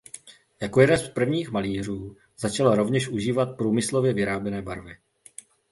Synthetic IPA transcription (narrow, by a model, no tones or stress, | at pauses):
jakojɛdɛspr̩vɲiːxmaliːr̝uː | z̥at͡ʃalaɾo̞vɲɛʃʔuʒiːvat̪̚pɾuːmɪslo̞vjɛvɪɾaːbjɛnɛːbaɾvɪ